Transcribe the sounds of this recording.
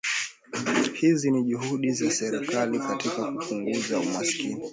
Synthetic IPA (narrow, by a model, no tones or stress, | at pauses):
hiziniʄuɦuɗizasɛɾɛkalikatikakupuŋɡuzaumasi̥kḭni